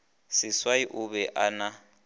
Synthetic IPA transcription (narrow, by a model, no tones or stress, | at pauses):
sɪswaiʔuβɛʔana